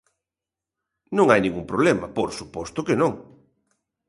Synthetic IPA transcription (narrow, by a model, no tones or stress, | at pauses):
nõŋajnĩŋɡuŋpɾoβlɛmɐpoɾsupɔst̪ʊkenõŋ